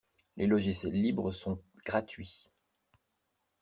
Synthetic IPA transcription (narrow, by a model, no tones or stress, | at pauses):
lʔelɔʒisjɛlːibʁəsɔ̃ɡ̥ʁat̪ɥi